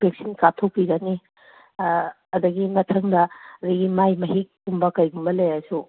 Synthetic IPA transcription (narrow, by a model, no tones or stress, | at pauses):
pek̚sinkatʰok̚piɡɐni | ɐdɐɡimɐtʰɐŋdɐdiɡimajmɐɦik̚ː | umbɐkɐjɡumbɐlɐjajsu